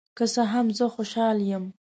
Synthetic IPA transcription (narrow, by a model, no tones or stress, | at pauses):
kəsəɦamzəxoʃɑljəm